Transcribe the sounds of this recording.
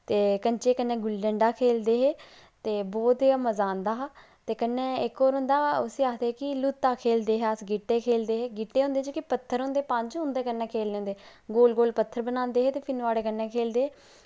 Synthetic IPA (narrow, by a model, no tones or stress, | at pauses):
t̪eːkəɲt͡ʃeːkənːɛ̃ːɡʊlɖəɳɖaːkʰeːld̪eːɦɛː | t̪eːboːd̪eaməzãːnd̪aːɦ | t̪eːkənːẽːɪkːoːɾɦʊ̃nd̪aːʊsiːaːd̪eːɦɛːkɪlut̪ːaːkʰeːld̪eːɦɛːəsɡiːʈːeːkʰeːld̪eːɦɛːɡiːʈːeːɦõnd̪eːd͡ʒoːkipət̪ʰːəɾɦõːnd̪eːpə̃ɲd͡ʒɦʊ̃nd̪eːkənːɛːkʰeːleːõːnd̪eː | ɡoːlɡoːlpət̪ʰːəɾbənãːnd̪eːɦɛːt̪eːpʰɪnʋaːɽeːkənːɛːkʰeːld̪eːɦɛː